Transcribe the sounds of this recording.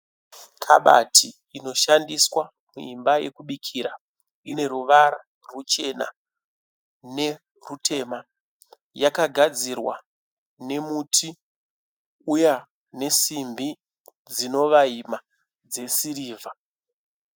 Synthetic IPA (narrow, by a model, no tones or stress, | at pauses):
kʰa̰ɓa̰tʰiːno̞ʃandiswa | muimbaje̞̰kuɓikʰiɾa | ine̞ruʋaɾa | rut͡ʃe̞na̰ | ne̞ | rutʰe̞ma | jakaɡʱad͡zirwa̰ | ne̞mutʰi | uja | ne̞simbi | d͡zino̞ʋaima | d͡ze̞siɾiːvʱa